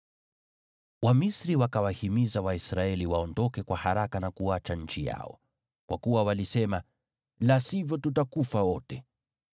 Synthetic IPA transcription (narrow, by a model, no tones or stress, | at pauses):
wamisɾiwakawahimizawaisɾaɛliwaɔndɔkɛkwahaɾakanakuat͡ʃaɲ̩t͡ʃija̰ɔ̰ | kwa̰kuwawalisɛma | lasivjɔtutakufawɔtɛ